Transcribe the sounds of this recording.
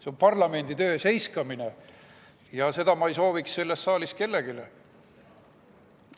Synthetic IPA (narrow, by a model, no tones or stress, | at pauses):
seompɑrlɑme̞nd̪̥it̪ø̞ːse̞jskɑmine̞ | jɑse̞d̪̥ɑmɑejso̞ːviksse̞lːe̞st̪sɑːliske̞lːe̞ɡ̥ile